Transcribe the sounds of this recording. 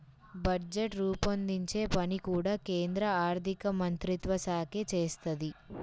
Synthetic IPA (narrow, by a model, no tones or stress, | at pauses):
bɐd͡ʒeʈɾuːpɐnd̪iɲt͡ʃe̞ːpɐnikuːɽaːkeːnd̪ɾɐaːɾt̪ikɐmɐnt̪ɾit̪ʋɐsaːkjɐt͡ʃeːst̪ɐd̪i